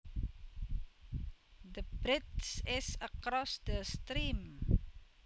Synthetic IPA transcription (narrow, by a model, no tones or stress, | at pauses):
d̪əbɾɪtsɪsəkɾɔsd̪əst̪ɾim